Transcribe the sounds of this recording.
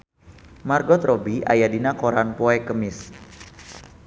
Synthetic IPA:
marɡɔt̪rɔbiʔa̰jadinakɔɾanpɔɛkəmɪs

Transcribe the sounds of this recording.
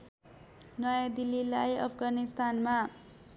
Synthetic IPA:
nʌjad̪ilːilajʌpʰɡanist̪anma

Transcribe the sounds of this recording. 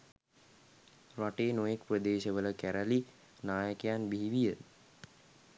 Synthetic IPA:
ɾaʈeːnojekprəd̪eːʃəʋələkæɾəli | naːjəkejanbiɦiʋijə

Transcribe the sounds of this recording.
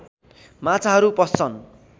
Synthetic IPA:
mãt͡sʰaɦʌɾupʌst͡sʰʌn

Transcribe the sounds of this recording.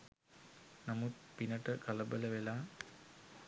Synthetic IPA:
namut̪̚pinəʈəkɐlɐbələʋelaː

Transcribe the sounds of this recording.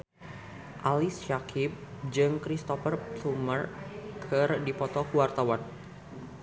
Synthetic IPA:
ʔalisʃakʰɪp̚d͡ʒɨŋkɾist̪ɔfərt̪umərkʰɨrdipɔt̪ɔkuwart̪awan

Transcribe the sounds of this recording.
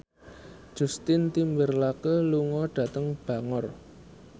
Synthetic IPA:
d̥ʒ̥ṳst̪ɪnt̪imbərlakəluŋɔɖ̥ä̤t̪əŋb̥ä̤ŋɔr

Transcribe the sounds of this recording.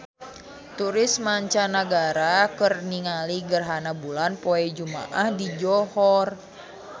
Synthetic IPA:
t̪uɾismaɲt͡ʃanaɡaɾakərniŋaliɡərɦanabulanpoɛd͡ʒuma̰ʔahdid͡ʒɔhɔr

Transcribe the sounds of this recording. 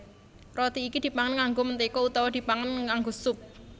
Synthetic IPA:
rɔt̪iːkid̪̥i̤paŋənŋaŋɡomənt̪ikɔut̪ɔwɔd̪̥i̤paŋənŋaŋɡosʊp̚

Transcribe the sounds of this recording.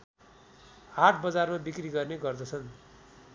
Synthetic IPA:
aʈʰbʌd͡zarmabikriɡʌrneɡʌrd̪ʌt͡sʰʌn

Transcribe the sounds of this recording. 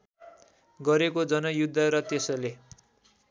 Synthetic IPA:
ɡʌɾekod͡zʌnʌjud̪ʱːʌɾʌt̪esʌle

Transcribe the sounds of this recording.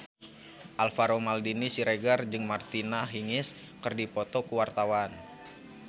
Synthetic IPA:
ʔalfaɾomaldinisiɾeɡard͡ʒɨŋmart̪inaɦiŋɪs | kərdipot̪okuwart̪awan

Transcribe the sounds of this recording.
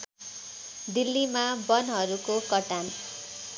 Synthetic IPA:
d̪ilːimabʌnɦʌɾukokʌʈan

